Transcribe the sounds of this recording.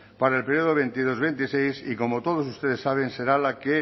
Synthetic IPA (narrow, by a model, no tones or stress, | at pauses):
paɾaelpeɾioðoβ̞e̞nt̪iðo̞zβe̞nt̪isejsiko̞mot̪o̞ð̞osust̪e̞ðe̞sːaβ̞e̞nse̞ɾalake